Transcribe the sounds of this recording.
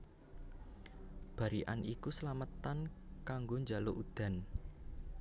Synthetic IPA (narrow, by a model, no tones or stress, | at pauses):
b̥ä̤ɾiʔa̰nikusəlamət̪ankaŋɡoɲd͡ʒa̤loʔud̪̥a̤n